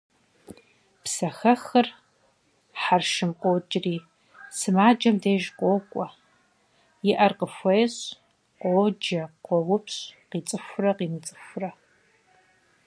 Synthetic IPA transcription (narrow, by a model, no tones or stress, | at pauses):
psɐxɐxɐr | ħarʃɨmqʷʼoːd͡ʒʼriː | sɨmaːd͡ʒɐmdeːʒqʷʼoːkʷʼɔ | jɪʔɐrqəfʷɐjɕ | qʷʼoːd͡ʒɐqʷɔwʊpɕqiːt͡sʼɨfʷʊrɐqiːmɨt͡sʼɨ̥fʷʊrɐ